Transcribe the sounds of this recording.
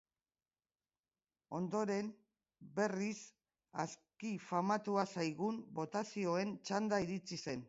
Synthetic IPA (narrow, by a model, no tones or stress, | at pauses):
o̞nd̪o̞ɾe̞n | be̞ris | a̰skifamat̪uasajɣumbo̞t̪asio̞e̞nt͡ʃand̪aiɾit͡sise̞n